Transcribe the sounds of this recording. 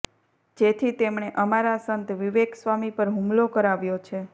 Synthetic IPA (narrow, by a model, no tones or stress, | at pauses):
d͡ʒet̪ʰit̪emɳ̃eʔəmaɾasənt̪ʋiʋeksʋamipəɾɦumlokəɾaʋjot͡ʃʰe